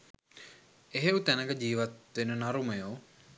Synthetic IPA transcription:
eɦeut̪ænəɡəd͡ʑiːʋat̪ʋenənaɾuməjoː

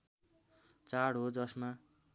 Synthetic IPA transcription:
t͡saɽɦod͡zʌsma

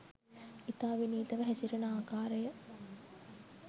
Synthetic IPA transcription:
it̪aːʋiniːt̪ɐʋəɦɛsiɾenəaːkaːɾəjə

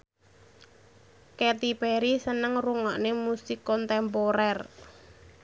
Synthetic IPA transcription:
kɛt̪ipeɾisənəŋruŋaʔnemusikɔnt̪ɛmpoɾɛr

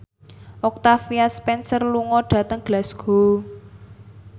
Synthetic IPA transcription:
ʔɔk̚t̪afiaspɛnsərluŋɔɖ̥ä̤t̪əŋɡ̥lasɡ̥o̤

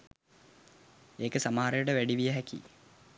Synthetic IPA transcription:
eːkəsamaɦaɾejəʈəʋæɖiʋijəɦɛkḭ

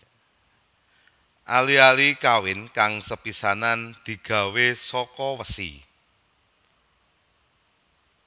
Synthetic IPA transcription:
ʔalialikawɪnkaŋsəpisanand̪̥i̤ɡ̥ä̤wesɔkɔwəsḭ

